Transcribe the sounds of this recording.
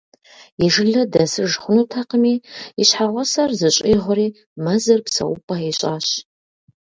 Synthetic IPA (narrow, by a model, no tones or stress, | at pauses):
iʒɨɮɐdɐsɨʒχʷʊnutʰaqəmiːiɕħaʁʷɔsɐrzɨɕʼiːʁʷʊɾiː | mɐzɐrpsɐ̰ʔʊpʼaiɕʼaːɕ